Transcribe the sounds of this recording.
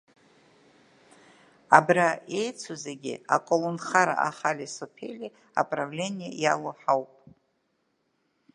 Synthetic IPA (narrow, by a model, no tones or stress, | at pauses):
abrae̞jt͡sʷʰozeɡʲḭa̰kʼolonχaɾa̰ʔa̰χalisopʰḛlʲi | a̰pʼravle̞nʲijejaloħawpʼ